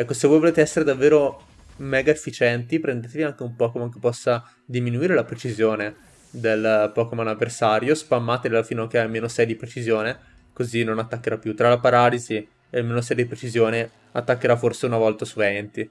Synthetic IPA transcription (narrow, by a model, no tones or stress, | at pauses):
ɛkːosevojvoleːt̪eɛsːeɾed̪avːeːɾo | mɛːɡaefːit͡ʃɛnt̪ipɾend̪eːt̪eviaŋk̟eumpɔkomakepːɔsːa | d̪iminuiːɾelapɾet͡ʃizjoːne | d̪elpɔkomanavːersaːɾjospamːaːt̪ellafinak̟ealmeːnosɛjd̪ipɾet͡ʃizjoːne | kozinonat̪ːakːeɾapːjut̪ːɾalapaɾaːlizi | ealmeːnos̬ɛjd̪ipɾet͡ʃizjoːne | a̰t̪ːakːeɾaforseunavɔlt̪asuvɛnt̪i